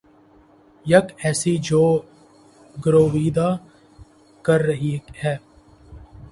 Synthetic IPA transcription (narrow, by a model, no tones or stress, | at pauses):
jɐkɛːsid͡ʒoː | ɡɾoːʋiːd̪a | kɐɾːɐɦihɛː